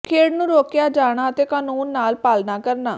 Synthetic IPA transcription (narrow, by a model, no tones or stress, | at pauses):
kʰeːɽnũːɾoːkjaːd͡ʒaːɽ̃aːət̪eːkaːnuːnːaːlpaːlnaːkəɾnaː